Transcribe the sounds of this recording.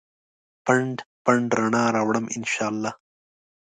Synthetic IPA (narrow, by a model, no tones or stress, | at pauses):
pɐɳɖpɐɳɖɾɐɳaːɾaːwɽɐmʔɪ̰nʃaːlːaː